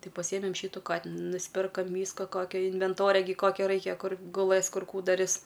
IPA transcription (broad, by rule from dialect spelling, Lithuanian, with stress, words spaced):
ˈtɐɪ pɐˈsʲiːjɛmʲɛm ˈʃʲiːtʊ ˈkɑːtʲɪnʊ nʊsʲˈpʲɪrkoːm ˈʋʲiːskɐ ˈkoːkʲoː ɪnʲʋʲɛnˈtoːrʲɛ ɡʲɪ ˈkoːkʲoː ˈrɐɪkʲɛ ˈkʊr ɡʊˈlˠɘs ˈkʊr ˈkuː dɐˈrʲɪs